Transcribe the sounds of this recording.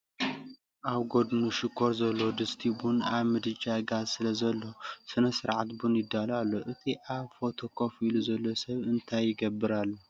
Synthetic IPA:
ʔaβɡo̞d̪nuʃɪkʰːoɾzɐlːo̞d̪ɨst̪ʰibunaβmɨd̪ɨd͡ʒaɡazsɨlɐzɐlːo̞sɨnɐsɨɾʕat̪bunjɪd̪ːalalːoʔɨt̪ʰiʔaβfo̞t̪ʰo̞kʰo̞filuzɐlːo̞sɐβɨnt̪ʰajːɪɡɐbːɨɾalːu

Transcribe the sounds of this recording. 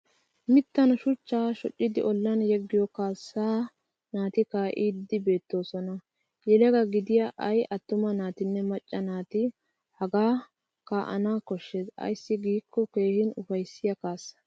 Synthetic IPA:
mɪt̪ːɐnɐʃʊt͡ʃːaːʃɔt͡ʃʼːɪd̪ɪʔɔlːɐnjɛɡːɪjɔkaːsːaː | naːt̪ɪkaːʔiːd̪ːɪbe̞ːt̪ːo̞ːsɔnɐ | jɛlɛɡɐɡɪd̪ɪjaʔɐjʔɐt̪ːʊmɐnaːt̪ɪnːɛmɐt͡ʃʼːɐnaːt̪ɪ | hɐɡaː | kaːʔɐ̰naːkɔʃːesɐ̰jsːɪɡiːkːɔke̞ːhɪnʊfɐjsːɪjɐkaːsɐ̥

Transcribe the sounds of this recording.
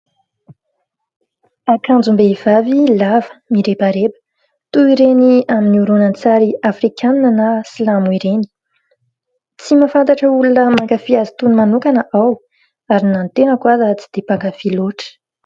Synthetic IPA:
akand͡zumbeiv̥avilavə̥miɾebaɾebə̥ | t̪uiɾeniaminiuɾonant͡saɾiafrikʰannanəsilamuiɾeni̥ | t͡simafant̪aʈ͡ʂəulunəmaŋkafiazit̪unmanukanəʔaw | aɾinant̪enəkwazat͡si̥d̪̥epaŋkafiloʈ͡ʂə̥

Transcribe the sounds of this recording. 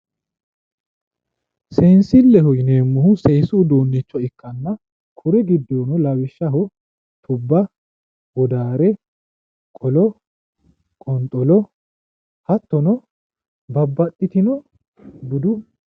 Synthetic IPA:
sensɪlːɛhɔjɪneːmːʊhʊseːsuːd̪oːnːɛt͡ʃːɔɪkʼːɐnːɐ | kʰʊɾɛɡɪd̪ːoːnɔlɐwɪʃːɐɦɔ | t̪ʊbːɐ | wɔd̪aːɾɛ | kʼɔlɔ | kʼɔnt̪ʼɔlɔ | hɐt̪ːɔnɔ | bɐbːɐt̪ʼːɪt̪ɪnɔ | ɡʊd̪ʊ

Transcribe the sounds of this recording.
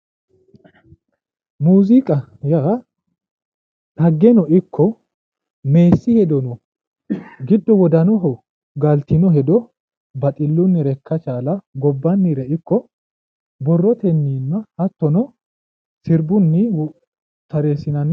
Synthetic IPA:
muːzɪkʼɐja | tɐɡːɛnɔʔɪkʰːɔ | me̞ːsːɪhɛd̪ɔnɔ | ɡɪd̪ːɔwɔd̪ɐnɔɦɔ | ɡɐlt̪ɪnɔɦɛd̪ɔ | bɐt̪ʼɪlːʊnːɪɾɛkːɐt͡ʃaːlɐɡɔbːɐnːiɾɛɪkːɔ | bɔrːɔt̪ɛnːiːnːɐhɐt̪ːɔnɔ | sɪɾbʊnːɪw | t̪ɐɾe̞ːsɪnɐn

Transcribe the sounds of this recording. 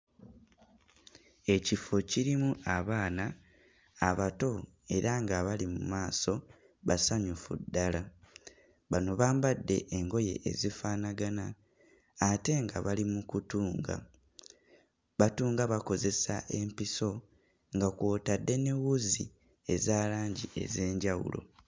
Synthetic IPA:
e̞cifo̞ciɾimuaβaːnaː | βato̞ | e̞ɾaŋɡaβalimumaːso̞ | βasaɲufṵdːala | βano̞βaːmbadːe̞ʔeŋɡo̞je̞̰ʔḛzifaːnaɡana | ate̞ŋɡaβalimukutuːŋɡa̰ | βatuːŋɡaβako̞ze̞sa̰ʔe̞mpiso̞ | ŋɡakwoːtadːe̞ne̞wuzi | e̞zaːlaːɲɟie̞̰ze̞ːɲɟawṵlo̞̰

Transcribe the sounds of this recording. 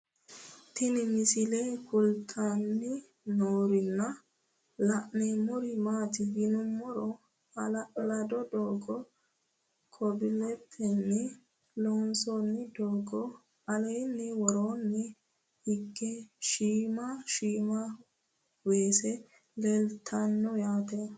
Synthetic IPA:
t̪ɪnɪmɪsɪlɛkʊlt̪ʼanːɪ | noːɾɪnːɐ | lɐʔnɛmʊɾɪmaːt̪ɪɡɪnʊmːɔɾɔ | ɐlɐlɐd̪ɔd̪oːɡɔ | kʰɔbɪlɛpʰːɛnːɛ | loːnsonːɪd̪oːɡɔ | ɐlɛjnːɛwɔɾoːnːɛ | hɪɡːɛʃiːmaʃiːma | weːsɛ | lɛlt̪ʰːanːɔjaːt̪e

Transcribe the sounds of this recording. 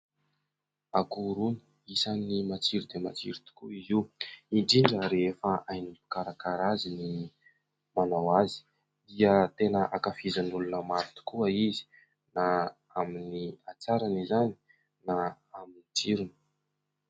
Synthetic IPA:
akuɾuni | isanimat͡siɾud̪emat͡sḭɾut̪u̥kuiziiɳɖ͡ʐiɳɖ͡ʐəɾeefaʔajnipi̥kaɾakaɾazini | manawazi̥ | d̪̥iət̪enəʔakafizanulunəmaɾut̪u̥kuəizi̥ | na | aminiat͡saɾanizani̥ | na | aminit͡siɾuni̥

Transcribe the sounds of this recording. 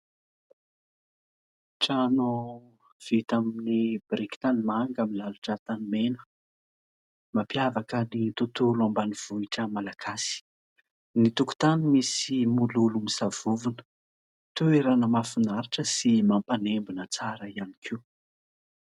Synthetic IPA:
ʈ͡ʂano | v̥it̪aminibɾiki̥t̪animaŋɡamilaluʈ͡ʂət̪animenə̥ | mapjavakənit̪ut̪ulambaniv̥uiʈ͡ʂəmalaɡasi̥ | nit̪uku̥t̪animisimululumisav̥uvunə̥ | t̪ueɾanəmafinaɾiʈ͡ʂəsimampanembunət͡saɾəianikʰi

